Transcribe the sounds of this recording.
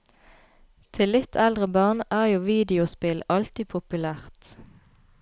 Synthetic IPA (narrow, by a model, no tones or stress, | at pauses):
t̪ʰɪlːɪt̪ʰɛld̪ʁəbɑʁnæːʁjuːʋiːd̪ɪʊspɪlɑlt̪ɪpʰʊpʉlæːʁt̪